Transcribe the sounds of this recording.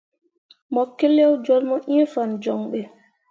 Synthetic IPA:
mɔkːɛlɛwd͡ʒɔlmɔʔifand͡ʒɔŋɓɛ

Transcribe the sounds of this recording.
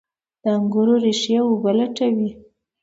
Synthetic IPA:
d̪̥əaŋɡuɾoɾeʃjawʊbalaʈawi

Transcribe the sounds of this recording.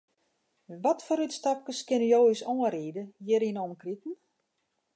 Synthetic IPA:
ʋɔtfɔɾytstap̚kəskɪnyjoːisoːəriːdəjɪɾinɔməkritn̩

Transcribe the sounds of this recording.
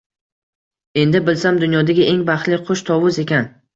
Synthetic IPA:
e̞nd̪ɪbɪlsamd̪ʊnjɒd̪aɡʲaʔe̞ŋbaχlɪqʰoʃt̪ʰɒwʊze̞kʲʰan

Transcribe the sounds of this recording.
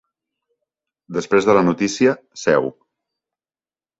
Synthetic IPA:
d̪əspɾezðələnut̪isiə | sɛw

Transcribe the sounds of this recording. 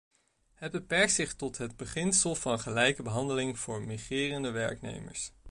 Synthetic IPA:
ɦət̚bəpɛɹk̚tsɪχtɔtɦəd̚bəχɪnsəlˠvɑnχəlɛjkəbəɦɑndəlɪŋv̥ʊːɹmiχrɪːrəndəʋɛ̰ɹknḛjmə̰ɹs

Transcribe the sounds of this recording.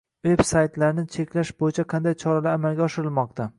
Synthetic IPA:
ve̞bsajt̪laɾnɪt͡ʃʰe̞kʲlaʃbojɪt͡ʃʰaqʰɑnd̪ajt͡ʃʰɒɾalaɾamalɡʲaɒʃɪɾɪlˠmɒqt̪ʰa

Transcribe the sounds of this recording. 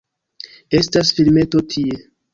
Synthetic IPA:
e̞stasfilme̞to̞tʰie̞

